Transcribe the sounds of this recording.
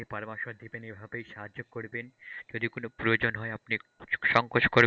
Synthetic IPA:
ipaɾmaʃoɾd̪ʱipenibʱabejʃaɦaok̚kːoɾbend͡ʑod̪ikonopɾojod͡ʑonɦɔeapniʃɔŋkot͡ʃkoɾ

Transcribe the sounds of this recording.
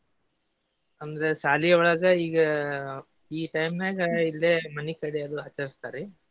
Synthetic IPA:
ɐnd̪ɐɾesaːlijɐɔɭɐɡɐiːɡɐ | iːʈɐjmnaːɡɐilːeːmɐnikɐɽiɐd̪uɦɐt͡ʃːɐɾist̪aːɾi

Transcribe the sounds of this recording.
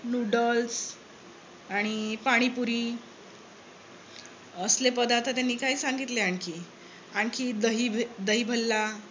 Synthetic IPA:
nuɖəls | aɽ̃ipaɽ̃ipuɾiː | əslep̬əd̪awt̪at̪anːiːkaiːsaŋɡit̪leaɳkʰi | aɳkʰid̪əɦid̪əɦiːbʱəlːa

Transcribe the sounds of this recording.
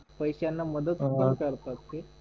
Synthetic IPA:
pəjɕjanːaməd̪ət̪upəkəɾt̪at̪ɦe

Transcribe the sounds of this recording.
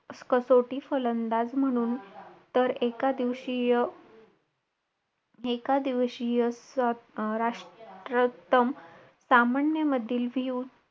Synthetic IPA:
skəsoʈiːfələnd̪ad͡zm̤əɽ̃uːnt̪əɾekad̪iʋɕijə | ekad̪iʋɕijəs | ɾaʂʈɾət̪əm | samanjəməd̪ʱːiːlʋʱiuːn

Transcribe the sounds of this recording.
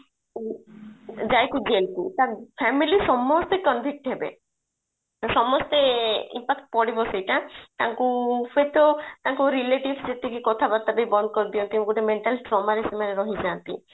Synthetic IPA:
d͡ʒajt̪ʰiɡelt̪ḭt̪aɾpʰɛmilisɔmɔst̪ekɔnbʱik̚ʈɦebḛ | sɔmɔst̪eḭmpakʈ̚pɔɽibɔsejʈat̪aŋkufet̪ɔt̪aŋkuɾileʈibsd͡ʒet̪ikikɔt̪ʰabat̪abejbɔnd̪ɔkɔɾd̪iɔnt̪imɡuʈemeɳʈalʈɾɔmaɾesemaneɾɔɦid͡ʒant̪ḭ

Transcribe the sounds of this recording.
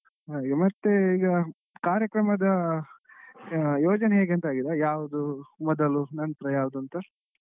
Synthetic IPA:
aːiɡɐmɐt̪ːeiːɡɐ | kaːɾjɐkɾɐmɐd̪ɐ | joːd͡ʒɐneɦeːɡent̪aːɡid̪ajaːʋud̪umɔd̪ɐlunɐnt̪ɾɐjaːʋd̪uɐnt̪ɐ

